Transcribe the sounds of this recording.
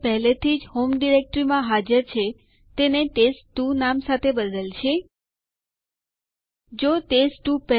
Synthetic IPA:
pɛɦlet̪ʰid͡ʒhomɖiɾek̚ʈɾimãɦad͡ʒəɾt͡ʃʰe | t̪eneʈesʈːunamsat̪ʰebəd̪əlt͡ʃʰe | d͡ʒoʈesʈːupɛ

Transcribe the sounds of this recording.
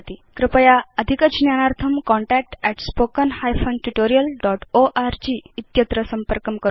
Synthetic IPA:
t̪ikɾəpəjaəd̪ʱikət͡ɕnjanaɾt̪ʰəmkɔɳʈæk̚ʈɛʈspokənhajfənʈuʈoɾijəlɖɔʈoʔaɾd͡ʑiːt̪jət̪ɾəsəmpəɾkəmkəɾ

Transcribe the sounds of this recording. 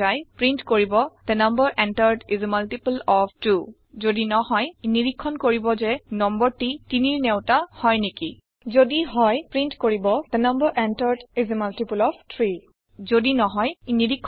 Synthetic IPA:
ajpɹintkoɹibɔd̪ɛnambɔɹʔɛntaɹdizmaltipulɔpʰtu | zodinɔɦɔjniɹikʰːɔnkoɹibɔzɛnɔmbɔɹtitiniɹnɛwtahɔjniki | zodiɦɔjpɹintkoɹibɔd̥̪ɛnambɔɹʔɛntaɹdizmaltipulɔptʰɹi | zodinɔɦɔjniɹikʰː

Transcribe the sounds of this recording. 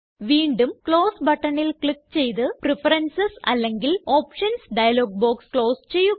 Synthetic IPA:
ʋiːɳɖumkɭo̞ːsbɐʈːɐɳilkɭikːt͡ɕe̞jt̪ɨprifɐɾɐnsɐsɐ̰lːeŋɡilo̞ːpʂɐnsɖɐjɐlo̞ːɡ̚boːkskɭo̞ːst͡ɕe̞jːu

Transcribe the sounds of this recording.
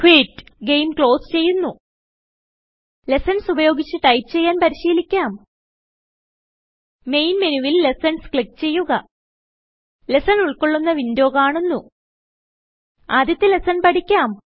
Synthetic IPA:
kʰwiːʈɡe̞jmkɭo̞ːst͡ɕe̞jːunːu | le̞sɐnsubɐjo̞ːɡit͡ɕːɨʈɐjpt͡ɕe̞jːaːnpɐɾiɕiːlikʲːaːm | me̞jnmenuʋilːesɐnskɭik̚t͡ɕe̞jːuɣɐ | lesɐnuɭko̞ɭːunːɐʋindjo̞ːkaːɳunːu | aːd̪jɐt̪ːɨle̞sɐnpɐʈikʲːaːm

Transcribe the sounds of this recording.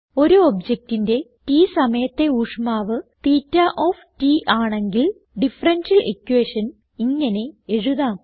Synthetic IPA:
o̞ɾuobd͡ʑek̚tinde̞tiːsɐmɐjɐt̪ːe̞uːʂmaːʋɨt̪iːtːɐʔoːftiːʔaːɳe̞ŋɡil | ɖifɐrɐnɕɐlekːuweːʂɐn | iŋːɐne̞eɻuðaː

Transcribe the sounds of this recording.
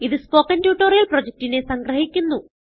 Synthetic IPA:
iðɨspo̞ːkːɐntjuːʈːoːrijɐlproːd͡ʑek̚tine̞sɐŋɡrɐɦikʲːunːu

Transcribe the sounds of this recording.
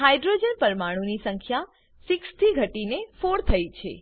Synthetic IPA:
ɦajɖɾod͡ʒənpəɾmaɽ̃ũnisəŋkʰja | sikst̪ʰiɡʱəʈinefoɽt̪ʰəit͡ʃʰḛ

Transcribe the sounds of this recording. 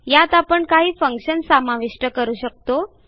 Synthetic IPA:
jat̪apəɳkaɦiːfəŋkɕənsamaʋiʂʈəkəɾuːɕək̚t̪o

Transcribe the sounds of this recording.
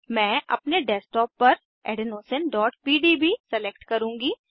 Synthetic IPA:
mɛ̃ːʔɐ̰pneɖɛːsʈɔːpːɐɾ | ḛːɖɪnoːsənɖɔːʈpiːɖibʱisɛleːkʈkɐɾũːŋɡiː

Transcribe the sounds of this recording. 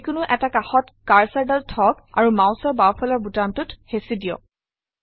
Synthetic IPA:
kʊnʊʔɛtakaxɔtkaɹsaɹdaltʰɔka̰ɹumãw̃sɔɹbawpʰɔlɔɹbutantʊthesidijɔ̰k̚

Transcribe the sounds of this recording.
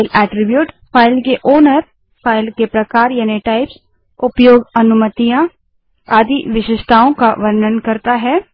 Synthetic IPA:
lɛːʈɾɪbjuːʈfʰaːɪlkeʔoːnəɾ | fʰaːɪlkepɾɐkaːɾjaːneʈaːɪps | ʊpjoːɡɐnʊmət̪ijã | aːd̪ʱiʋɪʃɪʃt̪ʰaːõkaʋɐɾnənkɐɾt̪aɦɛː

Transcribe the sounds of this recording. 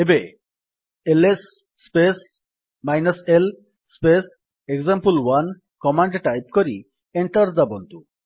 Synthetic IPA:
ebe | elesː | pes | majnɐsel | spes | eɡzampulwan | kɔmaɳɖʈajp̚koɾi | eɳʈɔɾd̪abɔnt̪u

